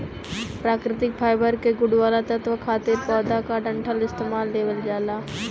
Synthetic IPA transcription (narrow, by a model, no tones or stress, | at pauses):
pɾaːkɾɪt̪ɪk̚pʰaːɪbəɾkeɡʊɽʋaːlat̪ət̪ʋəkʰaːt̪ɪɾpɔːd̪akaɖə̃ɳʈʰəlɪst̪eːmaːlːeːʋəld͡ʒaːlaː